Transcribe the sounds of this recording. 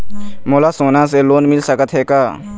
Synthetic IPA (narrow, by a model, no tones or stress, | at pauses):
moːlaːsoːnãːseloːnmɪlsəkət̪ɦeːkaː